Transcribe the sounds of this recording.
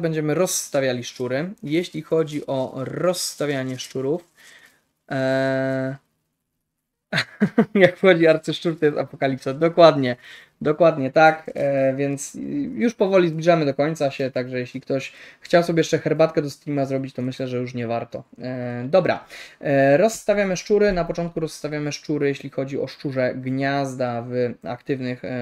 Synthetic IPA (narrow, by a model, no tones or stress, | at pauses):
bɛɲd͡ʑɛmɘɾɔst̪avʲjalʲiʂt͡ʂuɾɘjeɕlʲixɔd͡ʑiʔɔɾɔsːt̪avʲjaɲɛʂt͡ʂuɾuf | jakfxɔd͡ʑiɔaɾt̪sɘʂt͡ʂuɾt̪ɔjɛst̪apɔkalʲipsad̪ɔkwad̪ɲɛ | d̪ɔkwad̪ɲɛt̪akvʲjɛnt̪sjuʂpɔvɔlʲizblʲiʐamɘd̪ɔkɔɲt̪saɕɛt̪aɡʐɛjeɕlʲikt̪ɔɕxt͡ɕawsɔbʲjɛjɛʂt͡ʂɛxɛɾbat̪kɛd̪ɔst̪ɾʲimazɾɔbʲit͡ɕt̪ɔmɘɕlɛʐɛjuʂ̬ɲɛvaɾt̪ɔd̪ɔbɾa̰ | ɾɔsːt̪avʲjamɘʂt͡ʂuɾɘnapɔt͡ʂɔnt̪̚kuɾɔsːt̪avʲjamɘʂt͡ʂuɾɘjeɕlʲixɔd͡ʑiɔʂt͡ʂuʐɛɡɲazd̪ava̰kt̪ɘvnɘx